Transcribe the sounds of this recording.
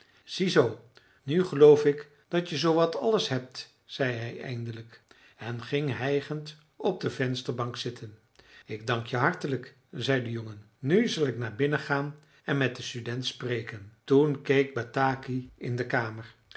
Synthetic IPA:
z̥izow | nyχəlowfɪk | d̥ɑtjəzowʋɑtɑləsɦɛp̚t | z̥ɛjɦɛjɛ̰jndələk | ɛnχɪŋɦɛjχənt | ɔb̚dəvɛnstəɹbɑŋksɪtʰən | ɪɡ̚dɑŋkjəɦɑɹtələk | zɛjdəjɔŋənːyzɑlˠɪknaːɹbɪnəχaːn | ɛnmɛt̚dəstydɛntsprejkəntunkejk̚bataːkiɪndəkaːməɹ

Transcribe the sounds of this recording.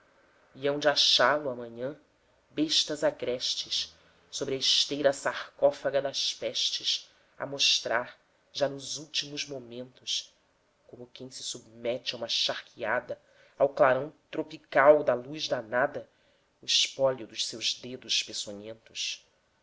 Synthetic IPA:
iɐ̃w̃d͡ʒaʃalʊɐmɐ̃ɲɐ̃ | beʃt̪ɐzaɡɾɛʃt͡ʃɪʃ | sobɾɪɐɪʃt̪ejɾɐsaχkɔfaɡɐd̪ɐʃpɛʃt͡ʃɪs | ɐ̰moʃt̪ɾaɾ | ʒanʊzuwt͡ʃimʊzmomẽnt̪ʊs | kõmʊkẽj̃sɪ̥submɛt͡ʃɪaũmɐʃaχkʰiad̪ɐ | awklaɾɐ̃w̃t̪ɾopikawd̪ɐluzd̪ɐnad̪ɐ | ʊɪʃpɔʎʊd̪ʊʃsewʒd̪ed̪ʊʃpesoɲẽnt̪ʊʃ

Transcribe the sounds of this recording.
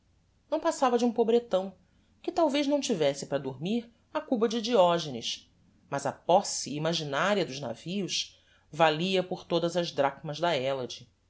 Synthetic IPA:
nɐ̃w̃pasavɐd͡ʒũpobɾet̪ɐ̃w̃ | kɪt̪awvejʒnɐ̃w̃t͡ʃivɛsɪpɾɐd̪oɾmiɾ | ɐkubɐd͡ʒɪid͡ʒiɔʒenɪʃ | mɐzɐpɔsiːmaʒinaɾiɐd̪ʊʒna̰viʊʃ | valiɐpoɾt̪od̪ɐzɐʒd̪ɾakmɐzd̪ɐɛlɐd͡ʒi

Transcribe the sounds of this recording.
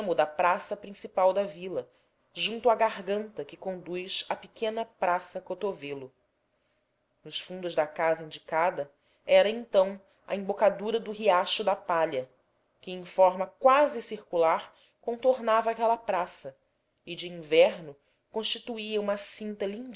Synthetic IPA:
mʊd̪ɐpɾasɐpɾĩsipawd̪ɐvilɐ | ʒũnt̪ʊaɡaɦɡɐ̃nt̪ɐkɪkõnd̪ujʃɐpɪkẽnɐpɾasɐkot̪ovelʊ | nʊʃfũnd̪ʊʒd̪ɐkazɐĩnd͡ʒikad̪ɐ | ɛɾɐẽnt̪ɐ̃w̃ | ɐ̰ẽbokad̪uɾɐd̪ʊɦiaʃʊd̪ɐpaʎɐ | kɪẽj̃fɔɾmɐkwazɪsiɾkulaɾ | kõt̪oɾnavɐaːkɛlɐpɾasɐ | ɪd͡ʒɪĩvɛɾnʊ | kõʃt͡ʃit̪uiɐũmɐsĩnt̪ɐlĩd͡ʒ

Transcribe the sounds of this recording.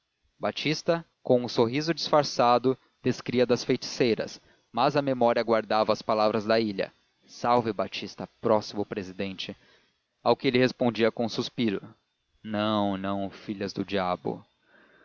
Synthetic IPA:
bat͡ʃist̪ɐ | kõw̃ʊsoɦizʊd͡ʒisfaɾsad̪ʊ | d̪̥eskɾiɐd̪ɐsfejt͡ʃi̥sejɾɐ̰s | mɐzɐmemɔɾiɐɡwaɾd̪avɐːspalavɾɐzd̪ɐiʎɐ̰ | sawvɪbat͡ʃist̪ɐpɾɔsimʊpɾezid̪ẽnt͡ʃɪ | awkɪelɪhespõd͡ʒiɐkõsuspiɾʊ | nɐ̃w̃nɐ̃w̃fiʎɐzd̪ʊd͡ʒiabʊ̰

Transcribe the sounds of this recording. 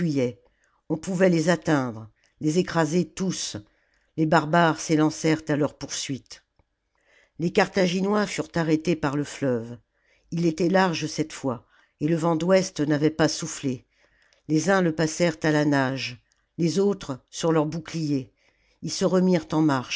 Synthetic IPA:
ɥijɛ | ɔ̃puvɛlezat̪ɛ̃d̪ʁ | lezekχazet̪us | lebaʁbaʁselɑ̃sɛʁt̪alœʁpuʁsɥit̪ | lekaʁt̪aʒinwafyʁt̪aʁet̪epaʁləflœv | ilet̪ɛlaʁʒəsɛt̪fwa | eləvɑ̃d̪wɛst̪navɛpasufle | lezɛ̃ləpasɛʁt̪alanaʒ | lezot̪χsyʁlœʁbuklije | ilsəʁəmiʁt̪ɑ̃maʁʃ

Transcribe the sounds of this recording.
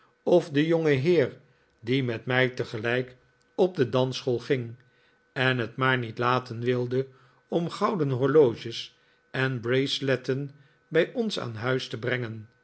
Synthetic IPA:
ɔfdəjɔŋəɦɪːɹ | dimɛtmɛjtəχəlɛjk | ɔb̚dədɑnsχolˠχɪŋ | ɛnɦətmaːɹnitlaːtənʋɪlˠdə | ɔmχɑwdənɦɔɹlowʒəs | ʔɛnbrejslɛtən | bɛjɔnsa̰ːnɦœɥstəbrɛŋən

